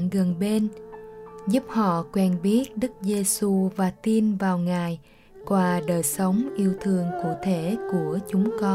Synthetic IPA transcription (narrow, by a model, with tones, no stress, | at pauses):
ŋɣə˨˩nɓe˧n | zu˦˥p̚hɔ̰˧˨kwɛ˧nɓi˦˥ət̚ɗɨ˦˥k̚ze˧su˧vaː˨˩t̪i˧nvaː˨˩wŋaː˨˩j | kwaː˧˩ɗəː˨˩jsə˨˦wŋ͡mʔi˧əwt̪ʰɨ˧əŋkṵ˧˩t̪ʰe˧˩˨ku˧˩ət͡ɕʊ˨˦ŋ͡mkɔ˧